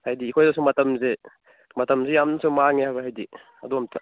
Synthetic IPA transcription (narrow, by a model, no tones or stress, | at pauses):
hajdiːkʰojdɔsumɐtɐmze | mɐtɐmzejamnɐsumaŋeɦajbɐɦajdi | ɐ̰duamtʰa